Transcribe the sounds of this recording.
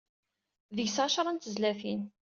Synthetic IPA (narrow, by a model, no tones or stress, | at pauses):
ðəʝsʕaʃɾˤɑnt̪əzlæfin